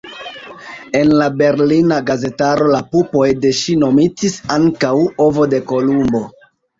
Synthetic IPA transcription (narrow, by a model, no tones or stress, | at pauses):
e̞nlabe̞ɾlinaɡaze̞taɾo̞lapupo̞jde̞ʃino̞mitisaŋkawo̞vo̞de̞ko̞lumbo̞